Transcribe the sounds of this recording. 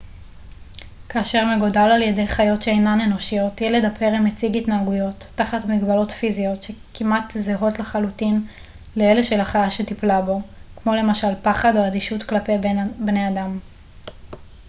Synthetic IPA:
kaːʃe̞ʁmeɡo̞dalaljede̞jχajo̞tʃeejnaneno̞ʃijo̞tjeledapʰe̞ʁimet͡siɡitnaːɡujo̞tːaχatmiɡbalo̞tfizio̞tʃe̞kimʔat̪zeɦo̞tleχalutin | leeleʃe̞laχajaʃetiplabo̞kmo̞le̞maʃalpaχado̞adiʃutklape̞jbne̞adam

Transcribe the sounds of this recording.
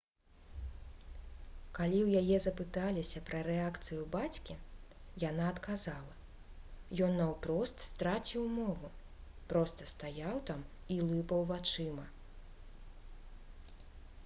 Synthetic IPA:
kalʲiwjajɛzɐpɨt̪alʲisʲɐpɾɐɾɛakt̪sɨjubat͡sʲkʲijanaɐt̪kazalˠɐ | jɔnːɐwpɾɔst̪st̪ɾat͡sʲiwmɔvu | pɾɔst̪ɐst̪ajawt̪am | ilˠɨpɐwvat͡ʂɨmɐ

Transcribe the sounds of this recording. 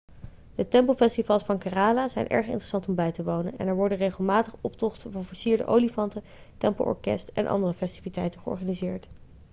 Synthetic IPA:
d̥ətɛmplˠfɛstivɑlˠsfɑŋkaraːlazɛ̰jnʔɛ̰ɹχɪ̰ntrəsɑntɔmbɛjtəʋownənɛ̰nɛɹʋɔɹdənrejχəlˠmaːtəχɔptɔχtəvɑnvəɹsiːɹdə̰ʔo̰wlifɑntə | tɛmpəl̩ˠʔɔ̰ɹkɛ̰stɛ̰nʔɑ̰ndərəfɛstivitɛjtəχəɔ̰ɹχaːnizɪːɹt

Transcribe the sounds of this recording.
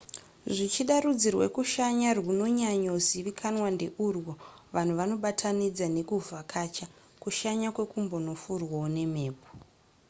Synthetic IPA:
ʐit͡ʃiɗarud͡zirwḛkuʃaɲarwuno̞ɲaɲoziʋikʰanwande̞ʔurwoʋan̤uʋano̞ɓatʰanid͡zane̞kuvakʰaːt͡ʃa | kuʃaɲakwe̞kumbo̞no̞furwaone̞me̞ːpo̥

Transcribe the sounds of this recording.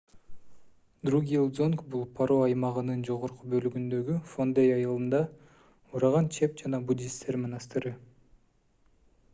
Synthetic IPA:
d̪ruɡʲilˠd̪zonkbulˠpʰaɾoɑjmɑʁɯnɯnd͡ʒo̞ʁo̞ɾqubø̞lyɡynd̪ø̞ɡyfond̪ejɑjɑlˠɯnd̪ɑ | uɾɑʁɑnt͡ʃʰe̞p̚d͡ʒɑnɑbud̪ʲist̪eɾmenɑst̪ɨɾɯ

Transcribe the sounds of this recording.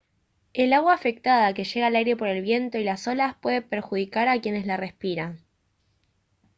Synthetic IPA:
e̞laɣwaːfe̞k̚t̪aðake̞ʃeɣaːlajɾe̞po̞ɾe̞lβje̞nt̪o̞ilaso̞laspwe̞ðe̞pe̞ɾxuð̞ikaɾakje̞ne̞zlare̞spiɾaŋ

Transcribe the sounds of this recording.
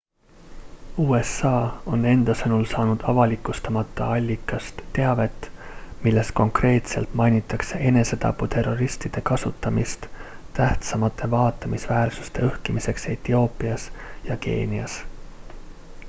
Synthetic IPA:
uːe̞sɑːo̞ne̞nd̪̥ɑsɤnulsɑːnud̪̥ɑvɑlikːˑust̪ɑmɑt̪ːˑɑɑlʲːikːˑɑst̪ːe̞ɑve̞t̪ːˑmilːe̞sko̞ŋkre̞ːt̪se̞lt̪mɑjnʲit̪ːˑɑkse̞ʔe̞ne̞se̞t̪ɑ̰pːˑut̪e̞rːo̞ɾist̪id̪̥e̞kɑsut̪ːˑɑmist̪ | t̪æht̪sɑmɑt̪ʰːˑe̞vɑːt̪ːˑɑmisvæːrsu̥st̪e̞øhkimise̞kse̞t̪io̞ːpːˑiɑsjɑke̞̰ːniɑs

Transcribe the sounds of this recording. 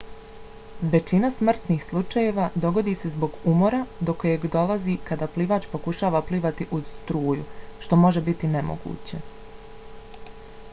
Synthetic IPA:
ʋe̞t͡ʃinasmr̩t̪niːxslˠut͡ʃaje̞ʋad̪o̞ɡo̞d̪iːse̞zbo̞ɡumo̞ɾad̪o̞kojeɡd̪o̞lˠazikad̪aːpliʋaːt͡ʃpo̞kuʃaːʋapliːʋat̪iʔuz̥st̪ɾuːjṵʃt̪o̞mo̞ʒe̞bit̪ine̞mo̞̰ɡṵːt͡ɕe̞

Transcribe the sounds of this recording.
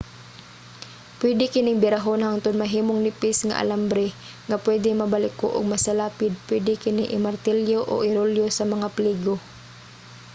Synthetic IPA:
pwɛd̪ɪkɪnɪŋbɪɾaɦonhaŋt̪ʊnmɐɦiːmoŋnɪpɪsŋa̰ʔa̰lambɾɛ | ŋɐpwɛd̪ɪmɐbalɪko̰ʔʊ̰ɡ̚mɐsalaːpɪd̪̚pwɛd̪ɪkɪnɪʔɪ̰maɾt̪ɛljoʔo̰ʔɪɾoljosɐmɐŋapliːɡo

